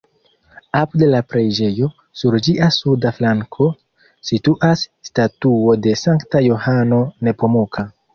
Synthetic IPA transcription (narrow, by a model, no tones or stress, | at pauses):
apude̞lapɾe̞d͡ʒe̞jo̞ | suɾd͡ʒiʔasudaflaŋkʰo̞ | situʔasːtatuo̞de̞saŋktajo̞hano̞ne̞po̞mokʰa